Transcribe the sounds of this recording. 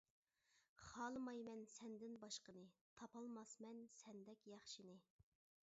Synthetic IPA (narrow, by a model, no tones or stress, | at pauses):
χɑːlˠɨmɑjmɛnsɛnd̪ɪnbɑʃqənɨt̪ʰɑpɑlˠmɑsmɛnsɛnd̪ɛkʲjɑχʃinɨ